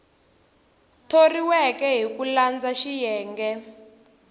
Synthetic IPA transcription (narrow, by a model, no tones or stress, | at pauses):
tʰoriwɛkɛɦikuland͡zaʃijɛːŋɡɛ